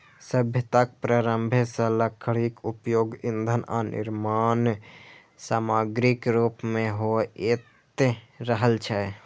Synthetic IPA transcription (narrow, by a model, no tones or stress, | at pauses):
səbʱjət̪ak̚pɾaːɾəmbʱesələkʰːəɽikupjoːɡind̪ʱəna̰nɪ̰ɾmaːn | saːmaːɡɾikɾuːpmẽɦoet̪e | ɾəɦəlt͡ʃʰɛ